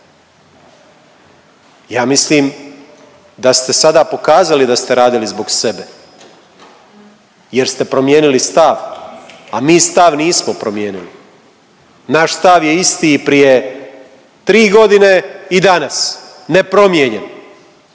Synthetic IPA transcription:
jaːmisliːm | d̪ast̪e̞sad̪aːpo̞kaːzalid̪ast̪e̞ɾaːd̪ilizbo̞ɡsebe | jeɾst̪e̞pɾo̞mje̞ːnilist̪aʋ | amiːst̪aʋniːsmopɾomjeːnili | naʃst̪aʋje̞ist̪iːpɾije̞ | t̪ɾiːɡo̞d̪ine̞id̪anas | ne̞pɾo̞mjeɲen

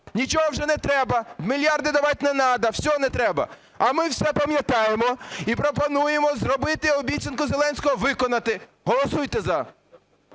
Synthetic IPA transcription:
nʲit͡ʃɔɦɔwʒɛnɛt̪ɾɛbɐmʲilʲjɑrd̪ɪd̪ɐʋɑtʲnɛnɑd̪ɐwsʲɔɦɔnɛt̪ɾɛbɐ̰ | ɐmɪwsɛpɐmʲjɐt̪ɑjemɔipɾɔpɔnujemɔzrɔbɪt̪ɪɔbʲit̪ʲt͡sʲɐnkʊzelˠɛnʲsʲkɔɦɔʋɪkɔnɐt̪ɪ | ɦɔlˠɔsujt̪ɛzɐ

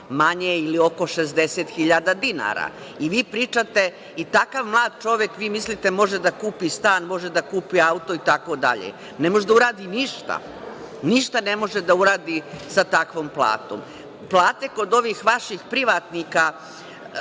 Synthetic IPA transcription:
maɲeilio̞ko̞ʃezd̪eset̪xiʎad̪ad̪ina̰ːɾa̰ | iʋiːpɾiːt͡ʃat̪e̞ | it̪akaʋmlˠaːd̪̚t͡ʃo̞ʋjekʋiːmislit̪e̞mo̞ʒe̞d̪akuːpist̪aːnmo̞ʒed̪akuːpiaut̪o̞it̪ako̞d̪a̰ʎḛ | nemo̞ʒd̪auɾaːd̪iniʃt̪a̰ | niʃt̪ane̞mo̞ʒed̪auɾaːd̪isat̪akʋo̞ːmplˠa̰ːt̪o̰m | plˠaːt̪e̞ko̞d̪o̞ʋiːxʋaʃixpɾiʋat̪nika

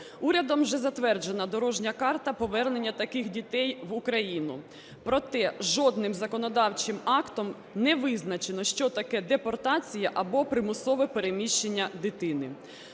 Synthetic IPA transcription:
uɾʲɐd̪ɔmʒɛzɐt̪ʋɛrd͡ʒenɐd̪ɔɾɔʒnʲɐkɑrt̪ɐpɔʋɛrne̞nʲːɐt̪ɐkɪxdʲit̪ɛjʋʊkɾɐjinʊ | pɾɔt̪ɛʒɔd̪̚nɪmzɐkɔnɔd̪ɑwt͡ʃɪmɑkt̪ɔm | nɛʋɪznɐt͡ʃenɔʃt͡ʃɔt̪ɐkɛd̪epɔrt̪ɑt͡sʲijɐʔɐbɔpɾɪmʊsɔʋɛpeɾemʲiʃt͡ʃenʲːɐd̪ɪt̪ɪnɪ

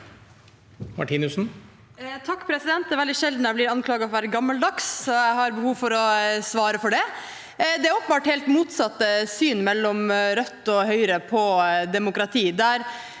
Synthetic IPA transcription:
mɑ̰ʈʰiːnʉsn̩ | t̪ʰɑkːpʰɾɛsɪd̪ɛnt̪d̪ɛːʋɛld̪ɪʃɛld̪næɪblɪːɾɑnkʰlɑːɡəɔʋæːɾəɡɑmːəld̪ɑksjæɪhɑɾbəhuːʋfɔɾɔsʋɑːɾəfɔɖɛ | d̪ɛæɾɔpːən̩bɑːʈhɛːlt̪muːt̪sɑt̪ːəsyːnmɛlːɔmɾœt̪ːɔhœʏɾəpʰɔd̪ɛmʊkɾɑt̪ʰiːd̪æɾ

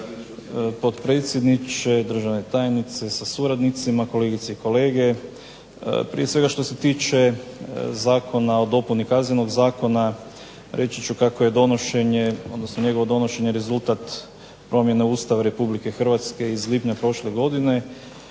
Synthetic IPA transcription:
po̞t̪pɾe̞t̪sʲjed̪nit͡ʃed̪r̩ʒaʋne̞t̪ajnit̪se̞sasuɾad̪nit̪simako̞le̞ɡit̪seiko̞le̞ːɡe̞ | pɾḭje̞sʋe̞ɡaʃt̪o̞set̪iːt͡ʃe | zaːkʰo̞nao̞d̪o̞punikaznɲeno̞ɡzaːko̞na | ɾʔe̞t͡ʃit͡ʃukakoje̞d̪o̞noʃe̞ɲeo̞d̪nosnoɲe̞ɡo̞ʋo̞d̪o̞no̞ʃe̞ɲeɾezulˠt̪at̪ | pɾo̞mje̞neuːst̪aʋaɾe̞publike̞xrʋat̪ske̞izlipɲapɾo̞ʃleɡo̞d̪ine̞

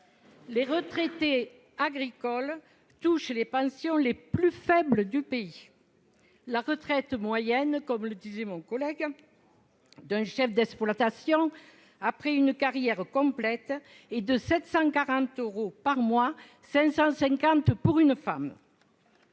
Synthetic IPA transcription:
leʁət̪χet̪e | aɡʁikɔl | t̪uʃlepɑ̃sjɔ̃leplyfɛbləd̪ypei | laʁət̪χɛt̪mwajɛnkɔmləd̪izemɔ̃ŋkɔlɛɡ | d̪ɛ̃ʃɛfd̪ɛksplwat̪asjɔ̃ | apχɛynəkaʁjɛʁəkɔ̃plɛt̪ | ed̪əsɛt̪sɑ̃kaʁɑ̃nt̪øʁopaʁmwa | sɛ̃sɑ̃sɛ̃ŋkɑ̃nt̪puʁynəfam

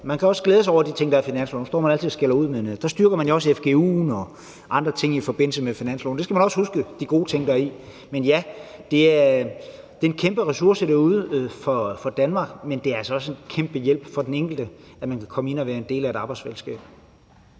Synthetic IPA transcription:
mænkʰæɒ̽sɡ̥leːðˠsɑɒʊ̰ɐd̥it͡sʰe̝ŋ̰d̥ɑ̈finænslo̰nusɒ̰ːmænæl̰t͡sʰið̩ˠsɡ̥elɐuð̞̰ˠmend̥ɑ̈sd̥ɶɐɡ̥ɐmænjoɒ̽sefɡ̥e̝ṵːnɒ̽ | ʔɑ̈nd̥ʁɐt͡sʰe̝ŋ̰ifɒ̽b̥e̝n̰l̩səmefinæn̰slo̰ːn̩̥e̝sɡ̥æmænɒ̽shusɡ̥əd̥iɡ̥o̝ːt͡sʰe̝ŋ̰d̥ɑɐi | menjæd̥e̝æɐɐ | d̥e̝e̝nkʰemb̥əʁɛsuɐsəɾ̥æɐuðˠəfɒ̽fɒ̽d̥ænmɑ̈ːɡ̥mend̥e̝æælsɒɒ̽se̝nkʰemb̥əjel̰b̥fɒ̽d̥eneŋ̰ɡ̥l̩d̥ə | æmænkʰækʰɒ̽məe̝nɒʋæːɐe̝nd̥e̝̰ːlæe̝ɾɑ̈ːb̥ɑɪ̥sfelsɡ̥ɛ̰ːb̥

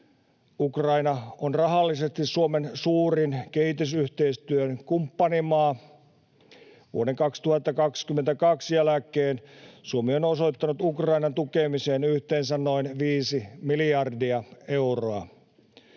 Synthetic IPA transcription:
ukrɑinɑonrɑɦɑlːisest̪issuomensuːrinkehit̪ys̬yht̪eist̪yønkumpːɑnimɑː | ʋṵodeŋkɑkst̪uhɑt̪ːɑkɑkskymːent̪ækɑksjælækeːnsuomionoso̞it̪ːɑnut̪ukrɑinɑnt̪ukemiseːnyht̪eːnsænno̞inʋiːsimiliɑrdiɑe̞uroɑ̰

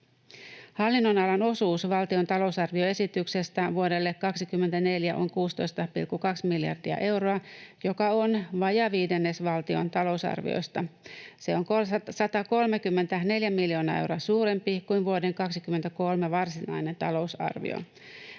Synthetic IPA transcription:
hɑlːinːo̞nɑlɑno̞suːsʋɑlt̪io̞nt̪ɑlo̞usɑrʋio̞e̞sit̪ykse̞st̪æʋuode̞lːe̞kːɑksikymːet̪æne̞ljæʔo̞ŋkuːst̪o̞̰jst̪ɑpḭlkːukɑksmiljɑ̰rdiɑ̰ʔe̞wɾoɑjo̞kɑonʋɑjɑʋiːde̞nːesʋɑlt̪io̞nt̪ɑlo̞usɑ̰rʋḭo̰jst̪ɑse̞o̞ŋkosɑt̪ɑko̞lmekymːe̞nt̪æne̞ljæmiljo̞ːnɑːe̞wroɑsuːɾe̞mpikuinʋuode̞ŋkɑksikymːe̞nt̪æko̞lmeʋɑrsinɑ̰jne̞nt̪ɑlo̞usɑ̰rʋḭo̰

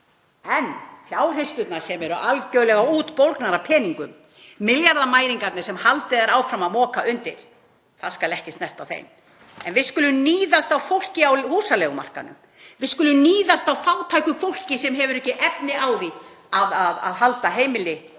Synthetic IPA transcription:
ɛnfjaːwr̥ejst̪ʏt̪naɾ̥sɛmɛɾʏʔalcœːɥlɛɣauːt̪powlknaɾapʰɛːniŋkʏmː | ɪljaɾðamaːjɾiŋkat̪nɪ̥sɛmhalt̪ɪðaɾaːwfɾamaðmɔːkaʔʏnt̪ɪɾ̥ | θaðskalɛhcɪst̪nɛr̥t̪awθḛjm | ɛ̰nvɪðskʏlʏmniːðast̪awfowl̥cɪawhuːsalɛːɣʏma̰r̥ka̰nʏ̰m | vɪðskʏlʏmniːðast̪awfaːwt̪ʰaːjkʏfowl̥cɪsɛmɦɛvʏɾɛhcːɪʔɛpnɪaːwði | aðaða̰ðɦalt̪aɦeːjmɪlɪ

